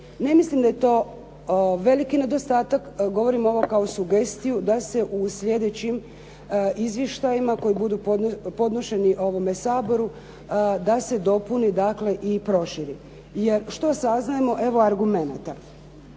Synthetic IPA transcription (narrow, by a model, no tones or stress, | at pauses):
ne̞mislimd̪aje̞t̪o̞ː | ʋe̞likine̞d̪o̞st̪aːt̪akɡo̞ʋo̞ɾimo̞ʋo̞kaosuɡe̞st̪ijud̪ase̞ʔuslʲje̞d̪et͡ɕim | izʋjeʃt̪ajimako̞jibud̪up̪po̞d̪no̞ʃe̞niʔo̞ʋo̞mesaːbo̞ɾu | d̪ase̞d̪o̞punid̪akle̞ʔipɾo̞ʃiɾi | je̞ɾʃt̪o̞saznajemo̞ʔe̞ʋo̞aɾɡume̞nat̪a